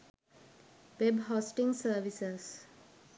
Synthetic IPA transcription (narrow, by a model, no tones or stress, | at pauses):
ʋebɦosʈĩŋɡsəːʋisəs